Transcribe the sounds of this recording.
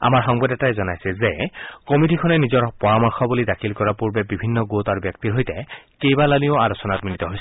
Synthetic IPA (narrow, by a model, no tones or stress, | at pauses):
a̰maɹxɔŋbɔdɛtaɛzɔnajsɛzekomidikʰɔnɛnizɔɹpɔɹamɔɹxɔbulidakʰilkɔɹapuɹbɛbibʱinːɔɡotaɹbjɔk̚tiɹɦojtɛkejbalanioalosɔnat̚minit̪ɔɦojs